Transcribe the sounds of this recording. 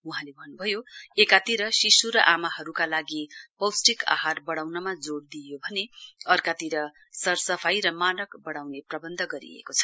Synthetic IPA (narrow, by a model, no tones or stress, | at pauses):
uɦãlebʱʌnːubʱʌjoekat̪iɾʌsisuɾʌʔamahʌɾukalaɡipʌwsʈika̰ɦarbʌɽawnʌmad͡zoɽd̪ijobʱʌneʌrkat̪iɾʌ | sʌrsʌpʰajɾʌmanʌkbʌɽawneprʌbʌnd̪ʱʌɡʌɾḭḛkot͡sʰʌ̥